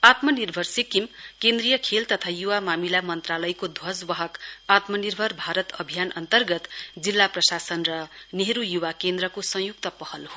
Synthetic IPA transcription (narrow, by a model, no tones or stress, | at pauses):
at̪mʌnirbʱʌrsikimkend̪rijʌkʰelt̪ʌt̪ʰajuwamamilamʌnt̪ralʌjkod̪ʱwʌswʌɦʌkat̪mʌnirbʱʌrbʱaɾʌt̪ʌbʱijanʌnt̪ʌrɡʌt̪d͡zilːaprʌsasʌnrʌneɦɾujuwakend̪rɾʌkosʌ̃juk̚t̪ʌpʌhʌlɦo